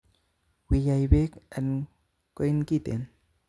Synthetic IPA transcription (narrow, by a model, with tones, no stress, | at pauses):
wi˨ja˨jbe˦k̚ʔɛ˨n | ko˨inki˦t̪ḛ˨n